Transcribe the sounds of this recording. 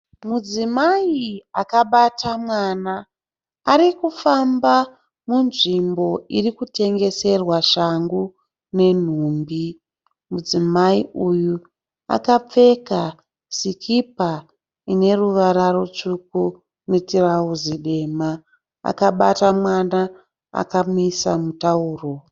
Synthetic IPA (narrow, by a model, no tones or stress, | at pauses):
mud͡zimaiakaɓatʰamwaːnaː | ɾikufamba | munʐimbo̞irikute̞ŋɡe̞se̞rwaʃaŋɡu | ne̞n̤uːmbi | mud͡zimaiuju | a̰kap͡fe̞ka | sikʰipa | ine̞ruʋaɾarot͡ʂuku | netirauziɗe̞ma | a̰kaɓatamwana | a̰kamisamutauːro